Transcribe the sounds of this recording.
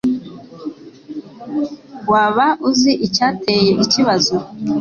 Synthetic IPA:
waːβaʔuziʔicaːtejeβiciβazo

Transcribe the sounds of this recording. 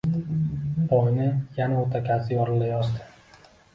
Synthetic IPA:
bɒjnɪjanaot̪ʰakʲʰasɪjɒɾɪlajɒsd̪ɪ̥

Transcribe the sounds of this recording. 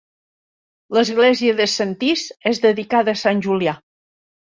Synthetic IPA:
ləzɣlɛziəðəsənt̪izezðəðikaðəːsanʲʒulia

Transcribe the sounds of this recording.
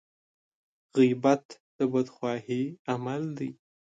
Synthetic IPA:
ɣibat̪d̪̥əbad̪xwɑhiamald̪aj

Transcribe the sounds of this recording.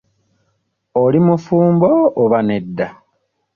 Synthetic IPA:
olimufuːmboːβane̞dːa

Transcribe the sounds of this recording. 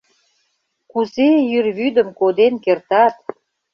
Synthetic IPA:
kuzejyrβyd̪ə̆mkod̪enkert̪ɑt̪

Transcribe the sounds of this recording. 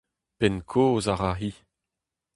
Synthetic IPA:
pɛnkʰoːzaʁaɦi

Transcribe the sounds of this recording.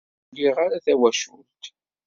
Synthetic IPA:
lːiʁaɾaθæwæʃult̪

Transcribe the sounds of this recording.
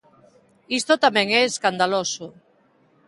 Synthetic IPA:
ist̪ot̪amɛ̃ŋɛeskand̪aloso

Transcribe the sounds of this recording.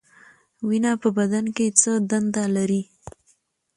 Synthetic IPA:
winapəbad̪anket͡səd̪and̪alaɾi

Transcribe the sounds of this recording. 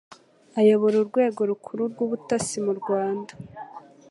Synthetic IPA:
ajo̞βo̞ɾuɾɡwe̞ːɡo̞ɾukʰuɾuɾɡuβutasimuɾɡwaːnda

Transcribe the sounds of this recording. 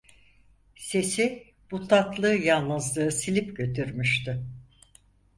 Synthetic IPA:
se̞si | b̥ut̪ʰat̪lˠɯːjanˠːɯzlˠɯːɯsilʲipɟø̞t̪ʰyɾmyʃt̪ɪ

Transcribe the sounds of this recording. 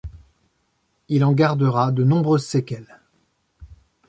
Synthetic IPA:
ilɑ̃ɡaʁd̪əʁad̪ənɔ̃bʁøzsekʲɛl

